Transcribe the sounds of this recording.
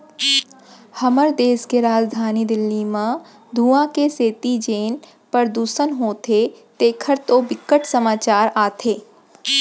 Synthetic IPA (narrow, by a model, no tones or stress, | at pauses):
hɐməɾd̪eːskeɾaːd͡ʒd̪ʱaːnid̪ɪlːimã | d̪ʱuːãkeseːt̪id͡ʒeːn | pəɾd̪uːsənɦoːt̪ʰet̪eːkʰəɾt̪obɪkːəʈsəmaːt͡ʃaːɾaːt̪ʰeː